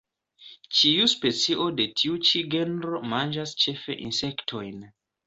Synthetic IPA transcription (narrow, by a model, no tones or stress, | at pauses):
t͡ʃiuspe̞t͡siʔo̞de̞tʰiut͡ʃiɡe̞nɾo̞mand͡ʒast͡ʃe̞fe̞̰ʔinse̞ktʰo̞jn